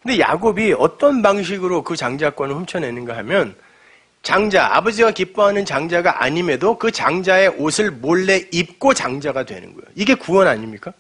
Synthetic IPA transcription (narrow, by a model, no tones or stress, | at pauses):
kɯnde̞ja̰ɡobiʌt͈ʌnbaŋɕ̬ʰiɡɯɾokɯt͡ɕaŋd͡ʑak͈wʌnɯɭɸumt͡ɕʰʌne̞nɯnɡaɦamjʌn | t͡ɕaŋd͡ʑaa̰bʌd͡ʑiɡakip͈oɦanɯnt͡ɕaŋd͡ʑaɡaʔa̰ɲime̞dokɯt͡ɕaŋd͡ʑae̞ʔosʰɯɭmoɭːe̞ip̚k͈ot͡ɕaŋd͡ʑaɡadwe̞̰nɯ̰nɡʌ̰jo̰iɡe̞kuwʌnaɲimɲik͈a